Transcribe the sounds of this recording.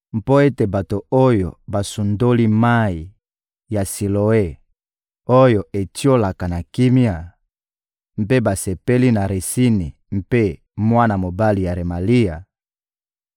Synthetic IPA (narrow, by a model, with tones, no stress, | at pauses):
m˦po˦e˦te˨ba˨to˨o˦jo˨ba˨su˨ndo˦li˦ma˦i˨ | ja˨si˨lo˨e˦ | o˦jo˨ʔe˨ti˦o˦la˨ka˨na˨ki˦mi˦a˨ | m̩˦pe˦ba˨se˨pe˦li˦na˨ʁe˨si˦ni˨ | m̩˦pe˦ | mwa˦na˨mo˨ba˦li˨ja˨ʁe˨ma˨li˦a˨